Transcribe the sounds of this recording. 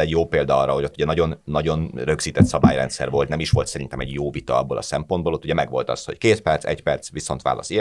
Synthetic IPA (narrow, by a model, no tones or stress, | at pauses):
ɛɟjoːpeːld̪ɒɒrːɒɦo̞ɟo̞t̪ːuɟɛnɒɟo̞nːɒɟo̞nrø̞ɡz̥iːt̪ɛt̪sɒba̰ːjɾɛnt̪sɛ̰rvo̞lt̪nɛmiʃʋo̞lt̪sɛɾinɛmɛɟjoːvit̪ɒɒbːolʔɒ̰sɛmpo̞nd̪bolo̞t̪ːuɟɛmɛɡʋo̞lt̪ɒ̰sho̞ckeːt̪pɛrt̪sɛ̰cpɛrt̪sʋiso̞nt̪ʋa̰ːlɒ̰si